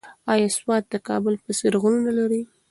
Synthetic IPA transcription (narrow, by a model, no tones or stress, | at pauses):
ɑjɑswɑt̪̚d̪əkɑ̰bəlpəsɪɾɣununalaɾi